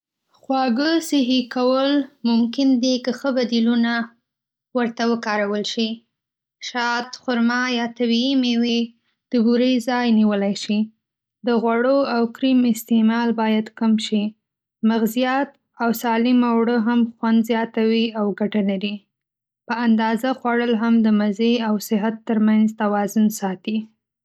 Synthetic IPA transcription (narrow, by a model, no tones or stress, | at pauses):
xwɑɡəsɪɦikawəlmʊmkɪnd̪ikəxəbad̪iluna | wəɾt̪awəkɑɾawəlʃi | ʃɑt̪xʊɾmɑjɑt̪awimewe | d̪̥əbuɾəjzɑjniwəlajʃi | d̪əɣwaɽoawkɾimɪst̪emɑlbɑjad̪kəmʃi | maɣzijat̪ | awsɑlimawɽəɦamxwand̪zjɑt̪awiawɡaʈalaɾi | pəand̪ɑzaxwaɽəlɦamd̪əmazeawsɪɦat̪ːəɾmanzt̪awɑzunsɑt̪i